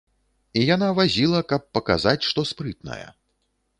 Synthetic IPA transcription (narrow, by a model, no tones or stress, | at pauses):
ijanavazʲilˠɐkɐpːɐka̰zat͡sʲʂt̪ɔspɾɨt̪̚nɐ̰jɐ̰